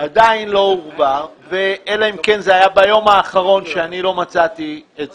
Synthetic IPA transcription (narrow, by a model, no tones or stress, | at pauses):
ad̪ainlo̞uʁbaʁveʔelaimkenzeajabajo̞maːχaʁo̞nʃeanilo̞mat͡sat̪ie